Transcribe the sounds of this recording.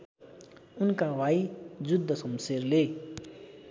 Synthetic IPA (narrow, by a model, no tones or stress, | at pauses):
ʊnkaʋaid͡ʒud̪ʱːəsʌmseɾle